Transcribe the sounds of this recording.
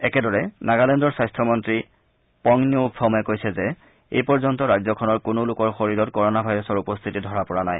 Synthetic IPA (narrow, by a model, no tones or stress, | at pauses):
ɛkɛdɔɹɛnaɡalɛndɔɹsajstʰɔmɔntɹi | pɔŋniopʰːɔmɔjɛkojsɛzɛ | ḛjpɔɹzɔntɔɹajzɔkʰɔnɔɹkʊnʊlʊkɔɹxoɹiɹɔtkɔɹɔnabʱajɹɔsɔɹupɔst̪ʰitidʱɔɹapɔɹanaj